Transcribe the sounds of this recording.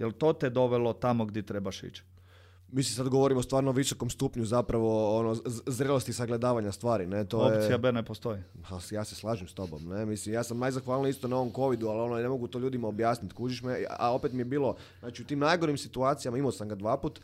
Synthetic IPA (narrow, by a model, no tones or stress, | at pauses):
jelt̪ot̪ed̪o̞ʋelot̪amoɡd̪jeɛt̪ɾebaʃḭt͡ʃ | misisad̪ɡo̞ʋo̞ɾimost̪ʋaːɾnooʋiso̞ko̞mst̪uːpɲuzapɾaʋo̞onozɾelˠost̪isaɡle̞d̪aːʋaɲast̪ʋaːɾinet̪oojet͡s̪iabenepost̪oi | asjaːseslˠaːʒimst̪o̞bo̰mnemislimjaːsamnajzaxʋaːlˠnoist̪onaoʋo̞mko̞ʋid̪ualo̞none̞mo̞ɡut̪oʎuːd̪imaobjaːsnit̪kuːt͡ʃiʃmea̰o̞pet̪mijebiːlˠo̞ | znaːt͡ʃiut̪iːmnajɡo̞ɾimsit̪uaːt̪sijamaimosamɡad̪ʋaːput̪